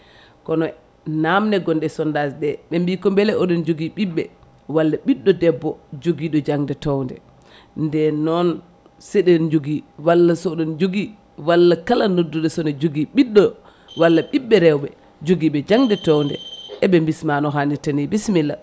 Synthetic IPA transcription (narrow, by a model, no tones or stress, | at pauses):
kɔnɔ | namnɛɡɔnɗɛsɔndasɗɛɓɛmbikɔmbɛlɛɔɗɔnd͡ʒoɡiɓiɓːɛ̰ | walːaɓiɗːɔdɛbːɔd͡ʒoɡiɗɔd͡ʒaŋdɛtɔwndɛ̰ | ndɛnɔn | sɛɗɛnd͡ʒoɡiwalːasɔɗɔnd͡ʒoɡi | walːakalanodːuɗɛsɔnɛd͡ʒoɡiɓiɗːɔ | walːaɓiɓːɛɾɛwɓɛ | d͡ʒoɡiɓɛd͡ʒaŋdɛtɔwndɛ̰ʔɛɓɛmbismanɔɦanitanibismilːa̰